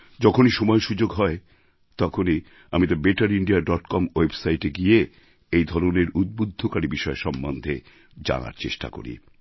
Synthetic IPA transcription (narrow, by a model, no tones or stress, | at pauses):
d͡ʑɔkʰoniʃɔmɔeʃud͡ʑoɡɦɔe | t̪ɔkʰoni | amit̪aɾbeʈaɾiɳɖiaɖɔʈkɔmwebsajʈeɡie | ejd̪ʱɔɾoneɾud̪̚bod̪ʱːokaɾibiʃɔeʃɔmbond̪ʱe | d͡ʑa̰na̰ɾt͡ɕḛʃʈa̰ko̰ɾḭ